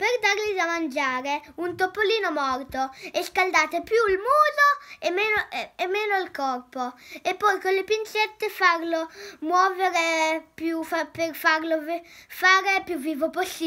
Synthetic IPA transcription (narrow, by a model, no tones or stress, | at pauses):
perd̪arlid̪amand͡ʒaːɾeunt̪opːoliːnomɔrt̪oeskald̪aːt̪epjulmuːzoemeːnoemːɛːnoilkɔrpoepːɔjkolːepint͡ʃɛt̪ːefarlomwɔːveɾepjufaperfarlovfaːɾepjuvːiːvoposːiː